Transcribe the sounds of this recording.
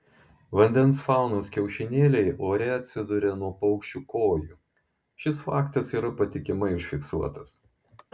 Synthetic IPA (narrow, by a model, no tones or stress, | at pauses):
ʋɐnʲd̪ʲɛnsfɑˑʊnoːskʲɛʊʃʲɪnʲeːlʲɛɪʔoːɾʲɛɐt̪ʲsʲɪd̪ʊɾʲɛnuɔpɐʊkʃʲt͡ʃʲuːkoːjuːˑ | ʃʲɪsfɑːkt̪ɐsiːɾɐpɐt̪ʲɪkʲɪmɐɪʊʃʲfʲɪksuɔt̪ɐs